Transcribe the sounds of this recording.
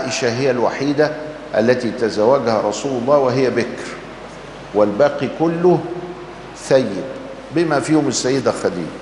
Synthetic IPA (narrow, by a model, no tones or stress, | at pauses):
ʔɪʃæɦɪjːælwaħiːd̪æ | ʔæ̰lːæt̪it̪æzæwːæɡhæɾˤɑsuːlʊlˤːɑːwɪɦɪjːæbɪkɾ | wɪlbæːqikʊlːʊh | θæjːɪd̪̚ | bɪmæfiːhʊmɪsːæjːɪd̪æxæd̪ḭːlæ